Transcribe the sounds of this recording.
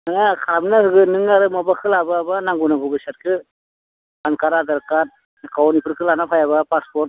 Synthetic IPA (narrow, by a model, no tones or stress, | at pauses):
anakʰaɾamnahɯɡɯnɯŋaɾɯmɔbakʰɯlababanaŋɡunaŋɡubɯsat̚kʰɯ | bankaɾadaɾkat̚ | kawnipʰɯɾkʰɯlanapʰajaβapaspɔt̚